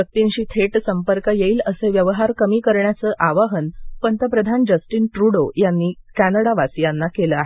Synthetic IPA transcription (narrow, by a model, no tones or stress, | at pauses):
bək̚t̪inɕiːt̪ʰeʈsəmpəɾkəjeiːləseʋjəʋəɦaɾkəmiːkəɾɳjat͡səːʔaʋaɦənpənt̪əpɾəd̪ʱand͡ʑəsʈiːnʈɾuɽojanːiːkænəɽaʋasijanːakeləaɦe